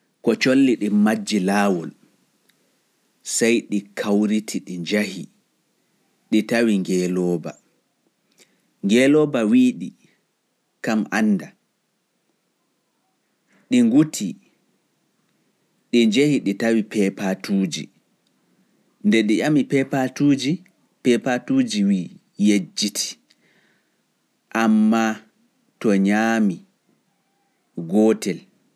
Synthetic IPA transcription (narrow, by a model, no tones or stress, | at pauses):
kɔt͡ʃolːiɗimad͡ʒːilaːwɔl | sajɗikʰawɾitʰiɗiɲd͡ʒahi | ɗitawiŋɡɛlɔːba̰ | ŋɡɛːlɔbawiːɗi | kamanːda | ɗiŋɡutʰi | ɗiɲd͡ʒehiɗitawipɛpatuːd͡ʒḭ | ndɛɗiʔamipɛpatud͡ʒi | pɛpatuːd͡ʒiwiː | jed͡ʒːitʰi̥ | ʔamːa | tɔɲaːmi | ɡɔːtɛl